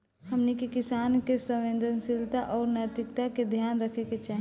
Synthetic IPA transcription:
həmnikekɪsaːnkesə̃ʋẽnd̪ʱənsɪlt̪aʔɔːɾnat̪ɪkt̪aked̪ʱjaːnɾəkʰeket͡ʃaɦi

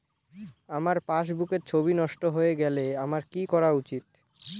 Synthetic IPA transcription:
amaɾpaʃ̬bukeɾt͡ɕʰobinɔʃʈoɦoeɡɛleamaɾkikɔɾaut͡ɕit̪̚

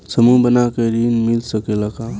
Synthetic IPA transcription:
səmubənakeɾinmilsəkeləka

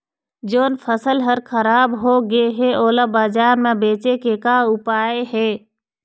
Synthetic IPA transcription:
d͡ʒoːnfʰəsəlɦəɾkʰəɾaːbɦoɡəeɦeoːlabaːd͡ʒaːɾmẽbeːt͡ʃekekaʊpaːeɦeː

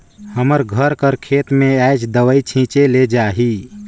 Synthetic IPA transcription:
həməɾɡʱəɾkəɾkʰeːt̪mẽajd͡ʒd̪əʋəit͡ʃʰĩːt͡ʃeled͡ʒaːɦi

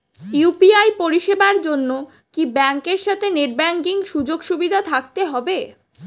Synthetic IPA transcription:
jupiajpoɾiʃebaɾd͡ʑonːo | kibɛŋkeɾʃat̪ʰeneʈ̚bɛŋkiŋʃud͡ʑoɡʃubid̪ʱat̪ʰak̚t̪eɦɔbe

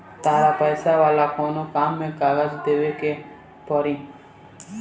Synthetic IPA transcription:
t̪aːɾapəjsaʋaːlakɔnokamːẽkaɡad͡ʒd̪eʋeke | pɔɾĩ

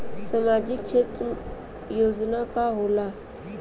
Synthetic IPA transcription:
səmaːd͡ʒɪkʃʰeːt̪ɾ | joːd͡ʒnakaɦoːla

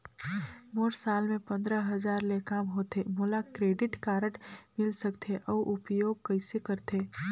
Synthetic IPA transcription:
moːɾsaːlmẽpɐ̃nd̪ɾəɦɐzaːɾlekaːmɦoːt̪emoːlakɾeːɖɪʈkaːɾəʈmɪlsɐkt̪ʰeʔɔʔʊpjoːɡ̚kɐɪsekɐɾt̪eː

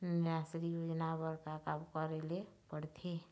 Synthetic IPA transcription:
nɪɾasɾijod͡ʒnabəɾkakabkəɾelepəɽt̪ʰe

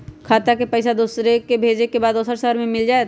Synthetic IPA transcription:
kʰaːt̪akepəɪsad̪uːsɾekebʱeːd͡ʒekebaːd̪ʊːsəɾsəɦəɾmẽmɪld͡ʒaːet̪

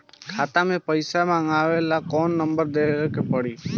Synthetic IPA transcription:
kʰat̪amẽpəjsamãŋaʋelakɔnːəmbəɾd̪ekepəɽiː

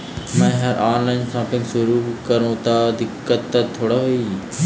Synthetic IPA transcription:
mɛ̃ːɦɐɾʔaːnlaːɪnsãːpɪ̃ŋɡsʊɾuːkɐɾõt̪ad̪ɪkːət̪ːɐt̪ʰːoːɽaɦoiː

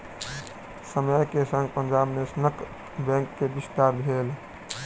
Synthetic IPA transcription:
səməjkesə̃ŋɡ̚pənd͡ʒabnesnək | bɛ̃ŋkːebist̪aɾbʱel

